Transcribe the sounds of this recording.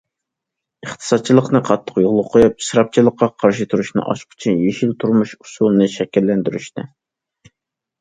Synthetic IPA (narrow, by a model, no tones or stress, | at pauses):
əχt̪ʰɨ̥sɑd̪̚t͡ʃʰilˠəqnɨqʰɑt̪ʰːə̥qjoʁlˠʊqʰojɑp̚sɾɑp̚t͡ʃʰilˠəqʰːɑqʰɑɾʃɨt̪ʰuɾuʃnɨ̰ʔɑ̰ʃqʰʊ̥t͡ʃʰynjeʃilt̪ʰuɾmuʃu̥sulˠnɨʃɛkʲɛlːɛnd̪yɾyʃt̪ɪ